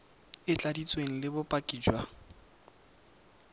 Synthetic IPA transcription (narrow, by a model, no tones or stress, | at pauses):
ɪt͡ɬʼadit͡sʼweŋ̩lɪbʊpʼakʼiːd͡ʒwa